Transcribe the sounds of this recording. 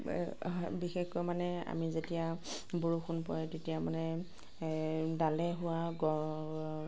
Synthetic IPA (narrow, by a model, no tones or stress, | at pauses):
bixexkɔmanɛa̰mizetijaboɹuxʊnpɔjɛtetijamanɛ | dalɛɦʊwaɡɔ